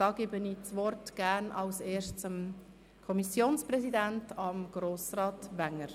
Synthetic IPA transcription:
ɑːɡ̥ebəniːt͡sʋɔrtɡ̥æːɾnɑlseːʃtt͡som | kʰɔmisjoːnsprɛsidæntɑmɡ̥ɾoːsrɑːtʋæŋːəɾ

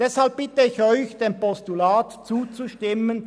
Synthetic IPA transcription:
d̥ɛshalp̚b̥ɪtəɪçɔʏçd̥eːmpɔstulaːtt͡suːt͡suʃtɪmən

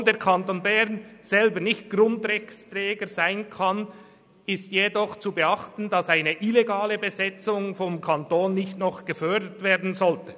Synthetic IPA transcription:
ndeːɹkʰantoːnbɛʁnz̥ɛlbənɪçt̚ɡ̥rʊntɾɛçt͡strɛːɡəzaɪnkʰɑn | ɪstjedɔχt͡subəɑχtn̩dɑsaɪnəʔileɡaːləbəzɛt͡sʊŋfɔmkʰantoːnːɪçtnɔχɡ̥əfœɹdətv̥eːʁdn̩zɔltə

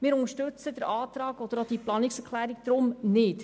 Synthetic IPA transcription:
mɪːɾʊŋəʃtʉt͡sədəɾʔɑːt̪ɾɑːɡɔd̥̪əɾɑd̥iplɑːnɪksɛkʰlæːɾik̚d̥̪ɾʊmnɪt

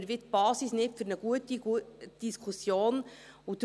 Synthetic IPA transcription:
ɾvɪt̪b̥ɑːsisnɪtfʏɾnəɡ̥uət̪iɡud̥iskʰusjoːnud̪

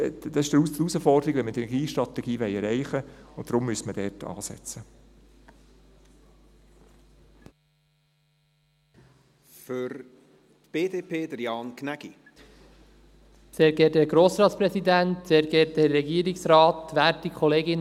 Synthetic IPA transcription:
d̪ɑsɪʃd̥əɾu̥usəfɔrdəɾiɡʋɛnmətɛnɛɡiːʃtɾɑt̪ɛɡ̥iːʋɛɪɛɾɛɪχəʊntdɾʊmːyəstməd̥ɛːtɑ̰ːsɛ̰t͡sə | føɾ | tb̥eːdeːpʰeːd̥əɾjɑːnkʰnæɡ̥i | seːɾɡɛːt̚dɛɡɾoːsɾɑːtspɾɛsid̪æntseːɾɡɛːt̚dɛːɛɡiːəɾɪksɾɑːt̪ʋæːɾtikʰɔleːɡɪn

